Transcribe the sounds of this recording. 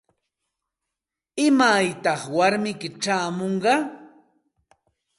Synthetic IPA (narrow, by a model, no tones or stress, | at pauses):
ɪmajt̪ɑχwaɾmɪkɪʈ͡ʂaːmoɴɢɑ